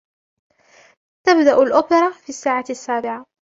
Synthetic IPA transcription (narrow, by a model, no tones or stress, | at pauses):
t̪abd̪aʔʊlʔʊːpɪɾˤɑfiːasːaːʕasːaːbɪʕa